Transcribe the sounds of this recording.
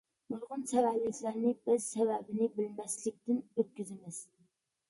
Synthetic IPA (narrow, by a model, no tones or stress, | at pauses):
mʊlˠʁʊnsɛvælɪkʲlæɾnɪbɪz̥sɛvɛbɪnɪbɪlmɛslɪk̚ʲt̪ɪnøt̪̚kʲyzɪmɪz̥